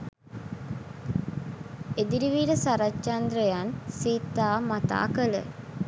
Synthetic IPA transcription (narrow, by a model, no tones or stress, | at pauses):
ed̪iɾiʋiːɾəsaɾɐt͡ʃɐnd̪ɾəjansiːt̪ːaːmat̪a̰ːkələ̰